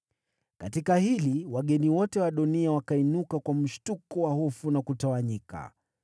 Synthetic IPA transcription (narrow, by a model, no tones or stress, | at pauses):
katikahiliwaɠɛniwɔtɛwaɗuniawakainukakwam̩ʃtukɔwahɔfunakutawaɲika̰